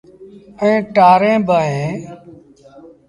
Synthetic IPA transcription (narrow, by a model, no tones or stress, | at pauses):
əẽːʈaːɾẽːbʱaːɦẽː